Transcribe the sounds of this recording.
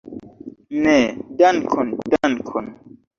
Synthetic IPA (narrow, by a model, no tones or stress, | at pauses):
nɛdankʰɔndankʰɔn